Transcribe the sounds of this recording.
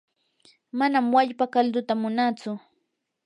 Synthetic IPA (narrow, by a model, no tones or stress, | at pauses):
manamwaʎpakald̪ʊt̪amʊnat͡sʊ